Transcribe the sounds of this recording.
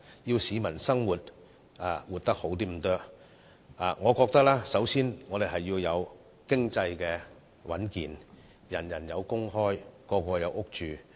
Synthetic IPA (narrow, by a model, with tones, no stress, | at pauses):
ji˧wsiː˨˧mɐ˨˩nsɐ˥ŋwuː˨˩t̚ | aː˨˩wuː˨˩t̚t̪ɐ˥k̚ho˨˥wt̪̬iː˥m̩˨˩t̪œː˥k̚ | a̰ː˨˩ŋɔː˨˧kɔː˧k̚t̪ɐ˥k̚laː˥sɐ˨˥wsiː˥nŋɔː˨˧d̪e˨jɦɐ˨jːiː˧wjɐ˨˧w | kɪ˥ŋt͡sɐ˧jkɛː˧ | wɐ̰˨˥nkiː˨n | jɐ˨˩njɐ˨˩njɐ˨˧wkʊ˥ŋɦɔː˥jkɔː˧kʷɔː˧jɐ˨˧wʔʊ˥k̚t͡ʃyː˨